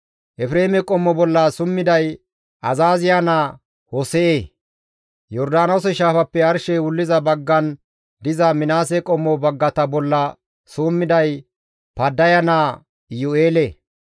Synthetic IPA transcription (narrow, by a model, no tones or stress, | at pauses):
ʔɛfɪɾeːmɛkʼɔmːɔbɔlːɐsʊmːɪd̪ɐj | ʔɐzaːzɪjana | hɔsɛʔeː | jɔɾd̪aːnɐwsɛʃaːfɐpːɛɐɾʃɛwʊlːɪzɐbɐɡːɐn | d̪ɪzɐmɪnaːs̬ɛkʼɔmːɔbɐɡːɐt̪ɐbɔlːɐ | suːmːɪd̪ɐj | pɐd̪ːɐjɐnaː | jʊeːlɛ